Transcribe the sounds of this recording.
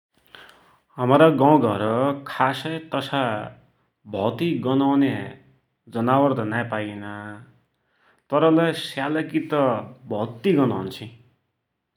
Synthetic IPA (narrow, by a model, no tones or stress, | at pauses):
ɦʌmɾʌɡãw̃ɡʱʌɾʌkʰasʌjt̪ʌsa | bʱʌt̪iɡʌnawne | d͡zʌnawʌrd̪ʌnajpajinʌ | t̪ʌɾʌlajsjalʌkit̪ʌbʱʌt̪iɡʌnawnt͡sʰĩ